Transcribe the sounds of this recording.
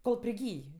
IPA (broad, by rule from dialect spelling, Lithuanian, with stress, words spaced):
koːlˠ pʲrʲɪˈɡʲiːj